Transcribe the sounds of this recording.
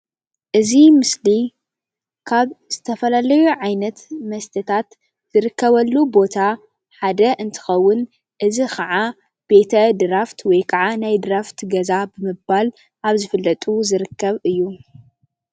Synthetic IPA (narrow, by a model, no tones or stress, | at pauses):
ʔɨzimɨsli | kʰaβz̥ɨt̪ʰɐfɐlalɐjuʕajnɐt̪mɐst̪ʰɐt̪ʰat̪ | z̥ɨɾɨkːɐβɐlːubo̞t̪ʰa | ħad̪ɐʔɨnt̪ʰɨ̥xɐwːʊn | ʔɨzixʰɐʕa | b̥e̞t̪ʰɐd̪ɨɾaft̪wɔjkʰaʕanajd̪ɨɾaft̪ʰɡɐzabɨmɨbal | ʔaβzɨfɨlːɐt̪ʼuzɨɾɨkːɐβɨjːu